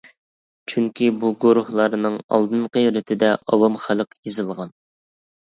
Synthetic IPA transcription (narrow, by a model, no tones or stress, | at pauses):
t͡ʃʰyŋkʲibuɡuɾuhlˠɑɾnɨŋɑ̰lˠd̪ɨnqəjɾɪt̪ʰɪd̪ɛʔɑwɑmχælˠəqjezɨlˠʁɑn